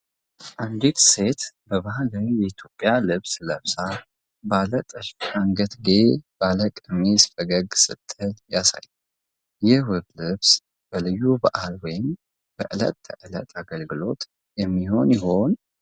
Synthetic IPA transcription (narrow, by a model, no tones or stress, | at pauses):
ʔand̪it̪se̞t̪bəβahlawijɛit̪ʰjo̞pʼːjalɨβsləβsa | balət̪ʼəʃfʃaŋɡət̪ɡeb̥aləkʼɨmisfəɡəɡsɨ̰t̪ʼːɨljasa̰ju | jɪhwɨβlɨβs | b̥əlɨjːuba̰ʔalwɔjɪm | b̥əʔɨlə̰t̪ʰːəʔɨlə̰t̪ʰʼaɡəlɡɨlo̞t̪ʼ | jɛmːiho̞njɛho̞n